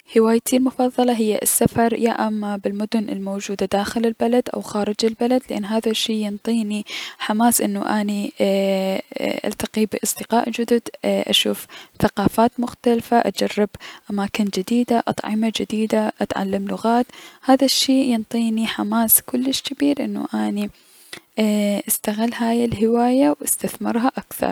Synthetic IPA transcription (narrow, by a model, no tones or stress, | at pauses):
hɪwaːjt̪ʰilmʊfɑðˤːɑlɑɦɪjːa̰ʔɪ̰sːafɑɾˤja̰ʔamːabɪlmʊd̪ʊnɪ̰lmoːd͡ʒuːd̪ad̪aːxɪlɪlbalad̪ʔa̰wxaːɾɪd͡ʒɪlbalad̪lɪʔa̰nːɦaːðaʃːiːjɪnt̪ˤiːniħamaːsʔɪnːṵʔani | ʔa̰lt̪aqibɪʔɑsˤd̪ɨqa̰ːʔd͡ʒʊd̪ʊd̪ʔa̰ʃuːfθaqɑːfaːt̪mʊxt̪alfaʔad͡ʒarːɪbʔamaːkɪnd͡ʒɪd̪iːd̪aʔɑ̰t̪ˤʕɪ̰mad͡ʒɪd̪iːd̪aʔat̪ʕa̰lːamlʊɣaːt̪haːðaʃːiːjɪnt̪ˤiːniħamaːskʊlːɪʃkɪbiːɾʔɪnːṵʔaːni | ʔɪst̪aɣɪlːɦaːjɪlɦɪwaːjawʔɪst̪aθmɪ̰ɾˤɦaʔakθɑ̰ɾˤ